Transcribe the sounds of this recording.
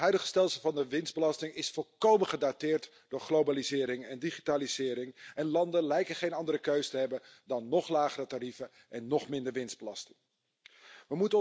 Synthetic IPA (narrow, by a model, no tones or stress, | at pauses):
ɦœɥdəχə̥stɛlˠsəlˠvɑndəʋɪnzd̚bəlɑstɪŋɪsfɔlˠkowməχədatɪːɹt | d̥ʊːɹχlowbalizɪːɾɪŋɛndiχitaːlizɪːɾɪŋɛnlɑndənlɛjkəχejnɑndərəkøɥsətəɦɛbəndɑnːɔχlaːχərətaɾivə | ʔɛnːɔχmɪndəɹʋɪnzdbəlɑstɪ̥ŋ | ʋəmutə